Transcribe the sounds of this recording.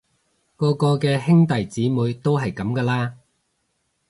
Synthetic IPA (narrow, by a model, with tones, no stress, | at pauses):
kɔː˧kɔː˧kɛː˧hɪ˥ŋt̪ɐ˨jt͡siː˨˥muː˨˧jt̪o˥wɦɐ˨jkɐ˨˥mkɐː˧laː˥